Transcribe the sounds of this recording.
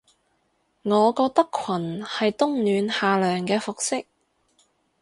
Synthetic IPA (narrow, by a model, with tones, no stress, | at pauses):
ŋɔː˨˧kɔː˧k̚t̪ɐ˥kʰɐ˨˩nhɐ˨jt̪ʊ˥ŋnyː˨˧nhaː˨lœː˨˩ŋkɛː˧fʊ˨k̚sɪ˥k̚